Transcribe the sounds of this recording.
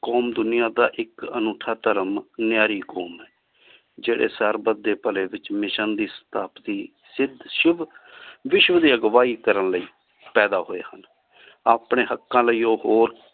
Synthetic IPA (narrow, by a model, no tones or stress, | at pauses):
koːmd̪ʊnɪjãːd̪a̰ːʔɪkənuːʈʰaːt̪əɾəmnɪjaːɾiːkɔːmɛː | d͡ʒeːɽḛːsəɾbəd̪ːeːpəleːʋɪt͡ʃmɪʃənd̪iːsə̥t̪aːpət̪iː | sɪd̪ʱʃɪʋʋɪʃʋd̪iːəɡʋaːiːkəɾənləiː | pɛːd̪aːɦoːḛːhən | aːpɳeːɦəkːãːləiːoːɦoːɾ